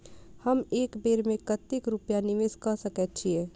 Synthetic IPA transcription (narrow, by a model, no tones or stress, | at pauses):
həmeːkbeːɾmẽkət̪ɪkɾupjanɪʋeːskəsəkɛt̪̚t͡ʃʰiɛː